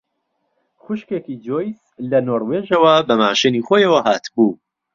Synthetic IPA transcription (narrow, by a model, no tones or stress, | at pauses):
xʊʃkekid͡ʒojs | lɐnoːɾweʒɐwɐbɐmaːʃɨnixojɐwɐɦaːt̪buː